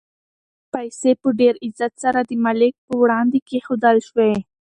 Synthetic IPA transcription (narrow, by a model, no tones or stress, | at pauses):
pajsepəɖeɾɪzat̪saɾad̪əmalɪk̚pəwɽɑnd̪ekexod̪əlʃwe